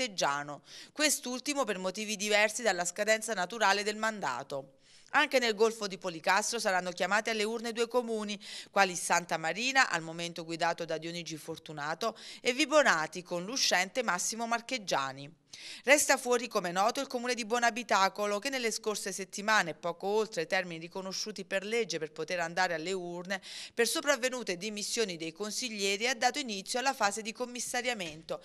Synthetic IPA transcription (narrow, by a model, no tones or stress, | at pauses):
ed͡ʒːaːnokwest̪ult̪imopermot̪iːvid̪ivɛrsid̪alːaskad̪ɛnt̪sanat̪uɾaːled̪elmand̪a̰ːt̪o | aŋkenelɡolfod̪ipolikast̪ɾosaɾanːokjamaːt̪ialːeurned̪uːekomuːnikwaːlisant̪amaɾiːnaʔa̰lmoment̪oɡwid̪aːt̪od̪ad̪jonid͡ʒifort̪unaːt̪oevːibonaːt̪ikonluʃːɛnt̪emasːimomarked͡ʒːa̰ːni | rɛst̪afwɔːɾikomenɔːt̪oilkomuːned̪ibwɔnabit̪aːkolok̟enːelːeskorseset̪ːimaːneːpɔːkoolt̪ɾet̪ɛrminirikonoʃːuːt̪iperled͡ʒːeperpot̪eɾand̪aːɾealːeurnepersopɾavːenuːt̪ed̪imisːjoːnid̪ejkonsiʎːɛːɾiad̪ːaːt̪oinit̪sjoalːafaːzed̪ikomːisːaɾjament̪o